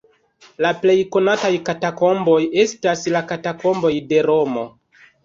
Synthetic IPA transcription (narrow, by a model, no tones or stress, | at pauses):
laple̞jko̞natajkatako̞mbo̞je̞staslakatako̞mbo̞jde̞ɾo̞mo̞